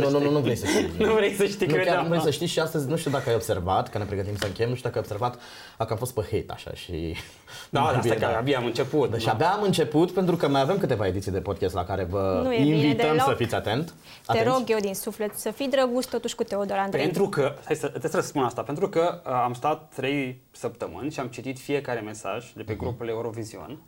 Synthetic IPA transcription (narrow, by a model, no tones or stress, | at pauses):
nunununuvɾejsət̪inuvɾejsəʃt̪inukʲanuvɾejsəʃt̪isʃiast̪əzʲnuʃt̪iud̪akəajo̞bse̞rvat̪kənepɾe̞ɡət̪imsəɨŋkʲejemnuʃt̪ud̪akəajobse̞ɾvat̪ | akəamfo̞st̪̚pəhejt̪a̰ʃa̰ʃḭ | aaiakaabiamɨnt͡ʃeput̪d̪aʃiabaːmɨnt͡ʃe̞put̪pe̞nt̪ɾukəmajave̞mkɨt̪e̞vae̞d̪it̪sijd̪e̞po̞d̪kʲest̪la̰kaɾe̞vənueinvit̪əmssəfit̪sʲat̪e̞nt̪ | at̪eɾoɡjewd̪insuflet̪səfid̪ɾəɡust̪ot̪uʃkut̪eod̪oland̪ent̪ɾukəajsəɨt̪esəəsə̥spunast̪apent̪ɾukəamst̪at̪ːɾe̞j | səp̚t̪əmɨnʲʃiamt͡ʃit̪it̪fije̞kaɾe̞me̞sa̰ʒd̪e̞pe̞ɡɾupuleuɾo̞vizio̰n